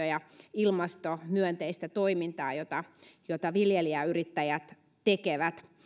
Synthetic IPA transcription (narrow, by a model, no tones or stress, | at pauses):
øjɑilmɑst̪omyønt̪eist̪æt̪oimint̪ɑːjot̪ɑjot̪ɑʋiljeliæyrit̪ːæjæt̪ | t̪ekeʋæt̪